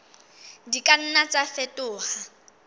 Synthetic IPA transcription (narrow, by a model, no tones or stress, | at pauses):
dikʼan̩nat͡sʼafɛtʼʊːha